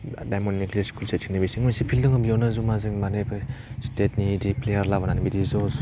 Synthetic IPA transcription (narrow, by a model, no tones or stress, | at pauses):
dajmɔnikliskulsetsʰiŋnibisiŋmansipʰildɯŋɯbijɔnazumazɯŋmanebstet̚nidiplejaɾlabananibidizɔs